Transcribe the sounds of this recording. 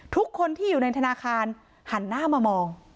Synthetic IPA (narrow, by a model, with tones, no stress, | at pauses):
t̪ʰu˦˥kʰːo˧nt̪ʰiː˥˩juː˨˩na˧jt̪ʰa˧naː˧kʰaː˧n | ha˩˦nːaː˥˩maː˧mɔː˧ŋ